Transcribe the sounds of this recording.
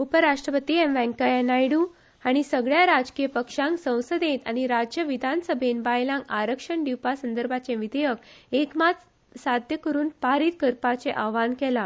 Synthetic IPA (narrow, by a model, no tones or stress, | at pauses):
upəɾaʂʈɾəpət̪iːemʋɛ̃ŋkəenajɽu | aɽ̃isəɡɭjaɾad͡zkijəpəkʂãŋksə̃w̃səd̪ʱẽt̪aɽ̃iɾad͡ʑjəʋid̪ʱansəbʱenbajlãŋkaɾəkʂəɳɖ̪iwpasənd̪əɾbʱat͡sẽʋid̪ʱejəkekmat͡s̪ | sad̪ʱjəkəɾuːnpaɾiːt̪kəɾpat͡seʔaʋankɛla